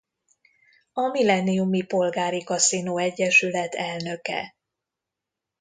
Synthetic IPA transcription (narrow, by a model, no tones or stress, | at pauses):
ɒmilɛniumipo̞lɡaːɾikɒsinoːɛɟːɛʃylɛt̪ʰɛlnø̞kɛ̰